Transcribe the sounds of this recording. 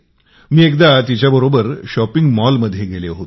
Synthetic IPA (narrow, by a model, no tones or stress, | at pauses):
miːekd̪at̪it͡ɕjabəɾobəɾɕɔpiŋɡmɔlməd̪ʱːjeɡeleɦot̪